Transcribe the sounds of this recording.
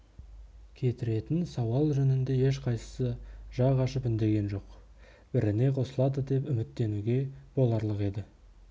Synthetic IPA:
kʲʰe̞t̪ɪɾe̞t̪ɪnsɑwɑlˠʒɵnɪnd̪e̞je̞ʃqʰɑjsə̥səʒ̥ɑʁɑʃəpɪnd̪e̞ɡʲe̞nʒo̞q | b̥ɪɾɪne̞qʰo̞səlˠɑd̪əd̪e̞pʏmɪt̪ːe̞nuɡʲe̞b̥o̞lˠɑɾlˠəqe̞d̪ɪ

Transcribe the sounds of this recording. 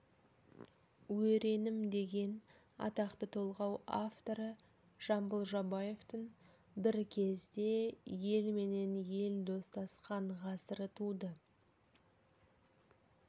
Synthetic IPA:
wɵɾe̞nɪmd̪e̞ɡʲe̞n | ɑ̰t̪ɑqt̪ət̪ʰolˠʁɑwaft̪o̞ɾə | ʒ̥ɑmbəlˠʒɑbɑje̞ft̪əɴ | bɪɾkʲʰe̞zd̪e̞je̞lme̞ne̞nje̞ld̪o̞st̪ɑsqɑɴʁɑsəɾət̪ʰud̪ə

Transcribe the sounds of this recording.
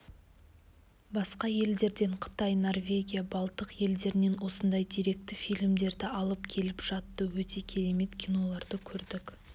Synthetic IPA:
bɑsqɑje̞ld̪e̞ɾd̪e̞ɴqʰə̥t̪ɑjno̞rvʲe̞ɡʲijabɑlˠt̪əqje̞ld̪e̞ɾɪne̞nwo̞sənd̪ɑjd̪iɾe̞k̚t̪ɪfijlɪmd̪e̞ɾd̪ɪɑlˠəp̚kʲʰe̞lɪpʒ̥ɑt̪ːəwɵt̪e̞kʲʰe̞ɾeme̞t̪kʲʰijno̞lˠɑɾd̪əkʲʰɵɾd̪ɪk

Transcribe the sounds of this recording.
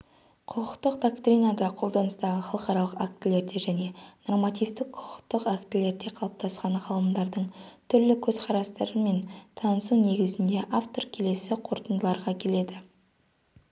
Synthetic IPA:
qʰʊqəqt̪əq̚d̪okt̪ɾʲijnad̪ɑqʰo̞lˠd̪ɑnəst̪ɑʁəχɑlˠəqɑɾɑlˠəqak̚t̪ɪle̞ɾd̪e̞ʒæne̞no̞rmɑt̪ift̪ɪqʰʊ̥qə̥qt̪əqakt̪ɪle̞ɾd̪e̞qʰɑlˠəp̚t̪ʰɑsqɑɴʁɑlˠəmd̪ɑɾd̪əɴt̪ʰʏɾlɪkʲʰɵzqʰɑɾɑst̪ɑɾəme̞nt̪ʰɑnəsune̞ɡʲɪzɪnd̪e̞ʔaft̪o̞rkʲʰe̞le̞sɪqʰo̞ɾt̪ənd̪əlˠɑɾʁɑkʲʰe̞le̞d̪ɪ

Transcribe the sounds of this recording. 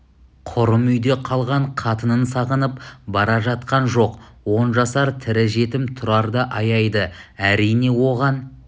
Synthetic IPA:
qʰʊɾəmʏjd̪e̞qʰɑlˠʁɑɴqʰɑt̪ənənsɑʁənəpbɑɾɑʒɑt̪̚qɑnʒo̞qwo̞nʒɑsɑɾt̪ʰɪɾɪʒe̞t̪ɪmt̪ʰʊɾɑɾd̪əʔɑjɑjd̪əæɾijne̞wo̞ʁɑn

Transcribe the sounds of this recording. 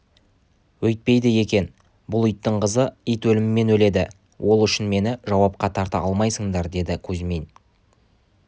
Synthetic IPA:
wɵjt̪̚pe̞jd̪ɪje̞kʲe̞n | bʊlˠʏjt̪ːɪɴqəzəijt̪wɵlɪmɪmːe̞nwɵle̞d̪ɪ | wʔo̞lˠʏʃɪnme̞nɪʒɑwɑp̚qɑt̪ʰɑɾt̪əɑlˠmɑjsəŋd̪ɑɾd̪e̞d̪ɪkʲʰɵzme̞n

